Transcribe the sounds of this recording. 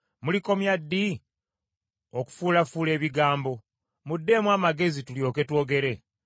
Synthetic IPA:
muliko̞mjadːi | o̞ku̥fuːlafuːle̞ːβiɡaːmbo̞ | mudːe̞mwaːmaɡe̞zituljo̞ːke̞two̞ːɡe̞ɾe̞

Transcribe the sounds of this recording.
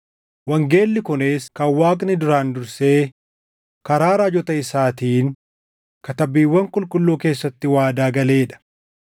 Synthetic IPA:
wɐŋɡe̞ːlːɪkʊne̞ːskɐwaːkʼnɪd̪ʊɾaːnd̪ʊɾse̞ː | kɐɾaːɾaːd͡ʒɔt̪ɐɪsaːt̪iːŋ | kɐt̪ɐbiːwːɐŋkʼʊlkʼʊlːuːke̞ːsːɐt̪ːɪwaːd̪aːɡɐle̞ːᶑɐ̥

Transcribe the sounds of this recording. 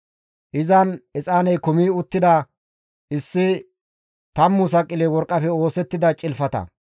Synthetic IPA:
ʔɪzɐnɛt͡sʼaːnɛjkʊmiːʊt̪ːɪd̪ɐ | ɪsːɪ | t̪ɐmːʊsɐkʼːɪlɛwɔɾkʼːɐfɛo̞ːsɛt̪ːɪd̪ɐt͡ʃʼɪlfɐt̪ɐ̰

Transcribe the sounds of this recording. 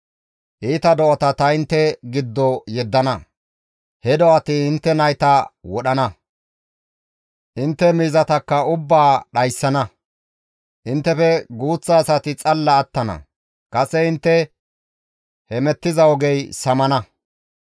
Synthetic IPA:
ʔiːt̪ɐd̪ɔʔɔt̪ɐt̪ɐɪnt̪ːɛɡɪd̪ːɔjɛd̪ːɐnɐ | hɛd̪ɔɐt̪ɪɪnt̪ːɛnɐjt̪ɐwɔɗɐnɐ | ʔɪnt̪ːɛmiːzɐt̪ɐkːɐʊbːaːɗɐjsːɐnɐ | ʔɪnt̪ːɛfɛɡuːt͡sːaːsɐt̪ɪt͡sʼɐlːɐːt̪ːɐnɐ̰ | kɐsɛɪnt̪ːɛ | hɛmɛt̪ːɪzɐwɔɡɛjsɐmɐnɐ

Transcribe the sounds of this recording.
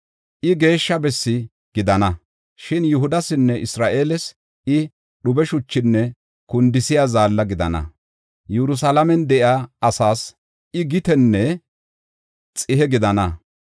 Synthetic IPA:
ʔɪɡe̞ːʃːɐbɛsːɪ | ɡ̥ɪd̪ɐnɐ | ʃɪnjʊɦʊd̪ɐsɪnːɛʔɪsɾaːʔe̞ːlɛs | ɪ | ɗʊbɛʃʊt͡ʃːɪnːɛ | kʊnd̪ɪsɪjazaːlːɐɡɪd̪ɐ̰nɐ̰ | jɛɾʊs̬alɐmɛnd̪ɛʔɪaːɐsaːs | ɪɡɪt̪ɛnːɛ | t͡sʼɪhɛɡɪd̪ɐnɐ

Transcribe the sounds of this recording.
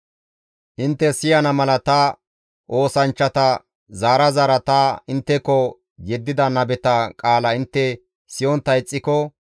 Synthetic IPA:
ʔɪnt̪ːɛsɪjɐnɐmɐlɐt̪ɐ | ʔo̞ːsɐnt͡ʃːɐt̪ɐ | zaːɾɐzaːɾɐt̪aɪnt̪ːɛkɔ | jɛd̪ːɪd̪ɐnɐbɛt̪ɐkʼaːlɐɪnt̪ːɛ | sɪjɔnt̪ːɐɪt͡sʼːɪkɔ

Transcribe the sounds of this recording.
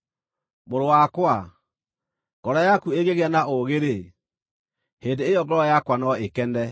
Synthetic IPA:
moɾowakwa | ŋɡɔɾajakueɣeɣeanaoɣeɾe | heːndeejɔɡɛɾɔjakwanɔekɛndɛ

